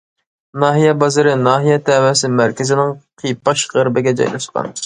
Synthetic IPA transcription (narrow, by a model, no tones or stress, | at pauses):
nɑːɦijɛbɑzɨɾɨnɑːɦijɛt̪ʰɛwɛsɪmæɾkʲɪzɪnɪŋqʰijpːɑʃʁəɾbɪɡʲɛd͡ʒɑ̰jlˠɑ̰ʃqɑ̰n